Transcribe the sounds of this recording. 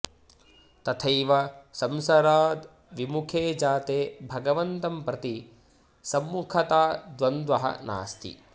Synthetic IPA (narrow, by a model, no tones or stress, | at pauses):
t̪ɐt̪ʰɐjʋɐsɐmsɐɾaːd̪ | ʋimukʰeːd͡ʒaːt̪eːbʱɐɡɐʋɐnt̪ɐmpɾɐt̪i | sɐmːukʰɐt̪aːd̪ʋɐnd̪ʋɐɦɐ̰na̰ːst̪ʰḭ